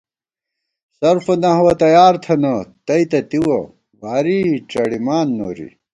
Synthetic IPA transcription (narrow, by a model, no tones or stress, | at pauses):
sɐɾfɐnɐɦwɐt̪ɐjaːɾt̪ʰɐnɐt̪ɐit̪ɐt̪iwɐ | waːɾiʈ͡ʂɐɽimaːnːo̰ːɾḭ